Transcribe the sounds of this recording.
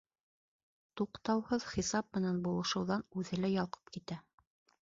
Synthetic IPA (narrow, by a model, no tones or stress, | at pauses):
t̪uqt̪ɑwhɤðχisɑp̚mɘ̆nænbulˠɤ̆ʃɤ̆wðɑnʉðɘlæjɑlˠqʰɤ̥pkit̪æ